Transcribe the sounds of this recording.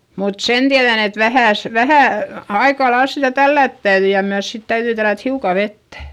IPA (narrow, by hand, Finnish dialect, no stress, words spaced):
mut sen tiæðæn et ʋæhæˑs ʋæhæˑ ɑikɑlɑils sitæ tælːæˑt tæyðy jɑ myæs sit tæyðyi tælːæt hiukɑˑ ʋetːæ̥